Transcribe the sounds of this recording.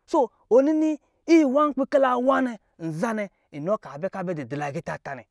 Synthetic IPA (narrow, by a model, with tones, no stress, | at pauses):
so˦ | o˨ni˦ni˦ | i˦˨wa˦ŋ˦k͡pi˦ke˦la˨wa˦ne˨ | n̩˨za˦ne˨ | i˨no˦ka˨be˦ka˦˨be˦di˨di˨la˨ɡi˦ta˨ta˨nɛ̰˨